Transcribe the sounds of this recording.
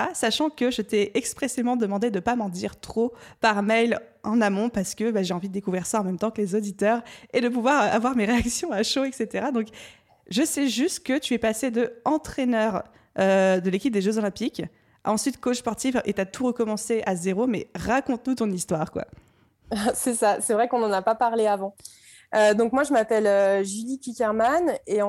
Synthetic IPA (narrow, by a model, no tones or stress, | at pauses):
asaʃɑ̃kəʒət̪ɛɛkspχesemɑ̃d̪əmɑ̃d̪ed̪əpamɑ̃d̪iʁt̪χopaʁmɛjl | ɑ̃namɔ̃paʁsə̥kəbaʒeɑ̃vid̪əd̪ekuvʁiʁsaɑ̃mɛmt̪ɑ̃kəlezod̪it̪œʁed̪əp̬uvwaʁavwaʁmeʁeaksjɔ̃aʃoɛkset̪eʁad̪ɔ̃k | ʒəsɛʒyst̪kət̪yɛpased̪əɑ̃t̪χenœʁ | ød̪əlekʲip̚d̪eʒøzolɛ̃pik | ʔɑ̃sɥit̪kot͡ʃspɔʁt̪ifʔet̪at̪ʰuʁəkɔmɑ̃seʔazeʁomɛʁakɔ̃t̪nut̪ɔ̃nist̪waʁkwa̰ | sɛsasɛvʁɛkɔ̃nɑ̃napapaʁleavɑ̃ | ød̪ɔ̃kmwaʒəmapɛløʒylipikʲɛʁmaneɑ̃